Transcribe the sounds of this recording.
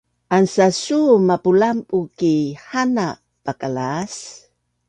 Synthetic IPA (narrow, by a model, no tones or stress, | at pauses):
ʔansasumapulampukihana | pakalas